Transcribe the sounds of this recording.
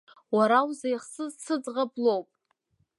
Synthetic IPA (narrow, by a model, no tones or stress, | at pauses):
waɾawzajχsɨzsʰɨd͡zʁablowpʼ